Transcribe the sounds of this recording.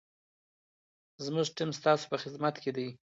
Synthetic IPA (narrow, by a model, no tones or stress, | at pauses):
zmʊʐʈɪmst̪ɑso̥pəxɪd̪mat̪ked̪aj